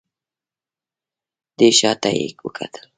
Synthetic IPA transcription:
d̪eʃɑt̪ajḛkwəkʰa̰t̪ʰə̥l

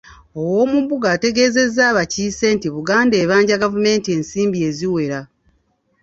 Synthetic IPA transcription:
o̞wo̞ːmubuɡaːte̞ɡe̞ze̞zːaːβaciːse̞ntiβuɡaːnde̞ːβaːɲɟaɡavume̞ːntie̞nsiːmbie̞ziwe̞ɾa

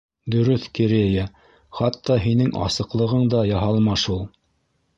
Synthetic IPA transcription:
d̪ɵ̆ɾɵθkɘɾejæ | χɑt̪ːɑɦinɘŋʔɑ̰sɤ̆qlˠɤ̆ʁɤɴd̪ɑjɑɦɑlˠmɑʃulˠ

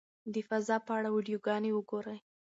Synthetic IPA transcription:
d̪əfazɑpəaɽawiɖijoɡɑnewəɡoɾaj

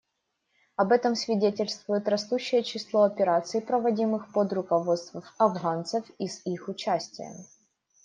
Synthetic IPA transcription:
ɐbɛt̪əmsvʲɪdʲetʲɪlʲst̪vʊjɪt̪ɾɐst̪uɕːɪjət͡ɕɪslˠoɐpʲɪɾat̪sɨːpɾəvɐdʲimɨxpod̪rʊkɐvot̪st̪vəfɐvɣant̪səfizixʊt͡ɕæsʲtʲɪjə̰

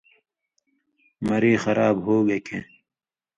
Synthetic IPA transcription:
mɐɾeːxɐɾaːbɦoːɡekʰḛ̃ː

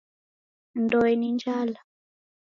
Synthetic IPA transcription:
ndɔɛniɲd͡ʒala

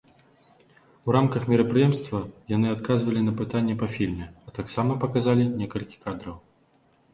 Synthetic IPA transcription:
uramkɐxmʲiɾɐpɾɨjɛmst̪vɐjan̪ɨat̪kazvɐlʲinɐpɨt̪anʲːɛpafʲilʲmʲɛɐt̪aksamɐpɐkazalʲinʲɛkɐlʲkʲi̥kad̪ɾɐw

